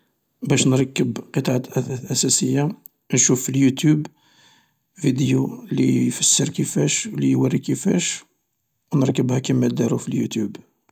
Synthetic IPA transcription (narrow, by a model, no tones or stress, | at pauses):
bæʃnɾˤɑkːəbqət̪ˤɑʕat̪ʔæʔæsæsəjːa | nʃufiljut̪ub | vid̪julifəsːəɾkəfæʃwlijwərːikəfæ̰ʃ | wnəɾkːəbhækæmːæd̪æɾufiljut̪jub